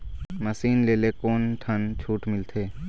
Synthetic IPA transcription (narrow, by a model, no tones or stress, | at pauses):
məsiːnleːlekoːnʈ̪ʰənt͡ʃʰuːʈmɪlt̪ʰeː